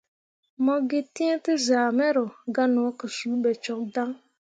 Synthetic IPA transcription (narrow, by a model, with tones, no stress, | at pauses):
mɔ˦ɡe˦ti˦ẽ˦tɨ˦zaː˨mɛ˦ɾo˨ɡa˦no˨˦kə˨ʃu˨˦bɛ˨t͡ʃɔ˨k̚da˦ŋ